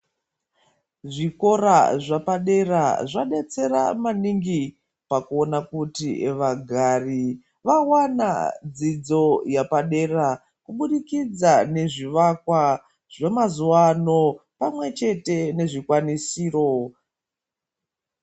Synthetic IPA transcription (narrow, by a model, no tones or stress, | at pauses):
ʐiko̞ɾaʐapaɗe̞ra̰ʐaɗe̞t͡se̞ɾa̰maniŋɡi | pakuonakutḭʋaɡʱari | ʋawana̰d͡zid͡zo̞japaɗe̞ra | kuɓuɗikid͡zane̞ʐiʋakwa | ʐe̞mazuwano̞pamwe̞t͡ʃe̞te̞ne̞ʐikwanisiːro̞